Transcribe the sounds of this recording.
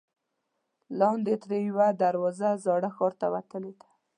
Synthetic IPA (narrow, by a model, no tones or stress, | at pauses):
lɑnd̪et̪ɾejwad̪aɾwɔzazɑɽaxɔɾt̪awat̪əled̪ḁ